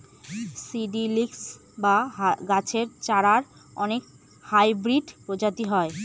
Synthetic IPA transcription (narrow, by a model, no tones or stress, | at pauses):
siɖiliks | baɦɡat͡ɕʰeɾt͡ɕaɾaɾ | ɔnek | hajbɾiɖpɾod͡ʑat̪iɦɔe